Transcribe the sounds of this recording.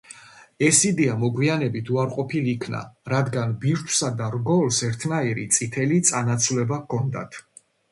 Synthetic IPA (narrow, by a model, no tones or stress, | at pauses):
ɛsid̪ɛamɔɡwianɛbit̪ʰuaɾqʼɔpʰilikʰna̰ɾad̪ɡanbiɾt̪ʰwsad̪aɾɡɔlsɛɾt̪ʰnaiɾit̪sʼit̪ʰɛlit̪sʼanat̪sʰvlɛbakʰɔnd̪a̰t̪ʰ